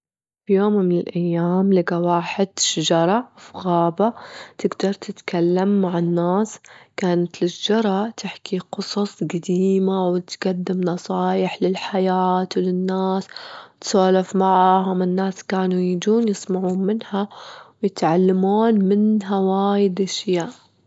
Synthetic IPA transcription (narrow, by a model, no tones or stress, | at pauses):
fjoːmːɪnɪlʔajːaːmlɪɡawaːħɪd̪ʃad͡ʒɑɾˤɑfiɣaːbat̪ɪɡd̪ɑɾˤt̪ɪt̪kalːamːaʕɪnːaːskaːnat̪lɪʃd͡ʒɑɾˤɑt̪ʰɪħkiqʊsˤɑsˤɡad̪iiːmawɪt̪ɡad̪ːɪmnɑsˤɑːjɪħlɪlħajaːt̪wlɪnːaːst̪saːlafmaʕaːhʊmɪnːaːskaːnujid̪uːnjɪsˤmaʕuːnmɪnhawjɪt̪ʕalːamuːnmɪnɦawaːjɪd̪ʔaʃjaːʔ